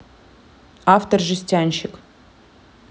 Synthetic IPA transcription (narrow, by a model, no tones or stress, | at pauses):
aft̪ərʐɨsʲtʲanʲɕɪk